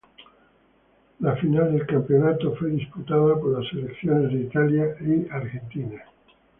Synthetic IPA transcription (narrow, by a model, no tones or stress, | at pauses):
lafinald̪elkampeonat̪ofweðisput̪aðapoɾlaselekθjonezðeit̪aljaiaɾɣent̪ina